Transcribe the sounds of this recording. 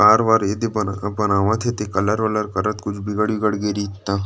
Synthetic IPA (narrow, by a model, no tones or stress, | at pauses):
aːɾʋaːɾed̪ebɐnbɐnaːʋãt̪ʰet̪ekɐləɾʋələɾkɐɾət̪kʊt͡ʃʰbʱɪɡəɽbiɡəɽɡeɾit̪ːaː